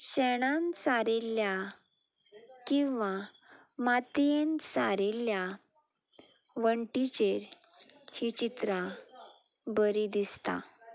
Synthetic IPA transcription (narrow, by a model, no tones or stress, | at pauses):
ɕɛɽ̃ãnsaɾelja | kĩʋamat̪ijensaɾelja | ʋəɳʈit͡ɕeɾhit͡ɕit̪ɾa | bəɾid̪ist̪a̰